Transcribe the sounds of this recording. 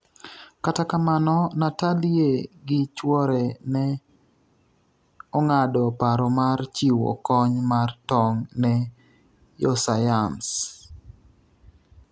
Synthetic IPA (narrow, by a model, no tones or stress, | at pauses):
katakamanɔnatalieɡɪt͡ʃwɔɾɛnɛ | ɔŋadɔpaɾɔmart͡ʃiwɔ̰kɔɲmartɔŋnɛ | jɔsajams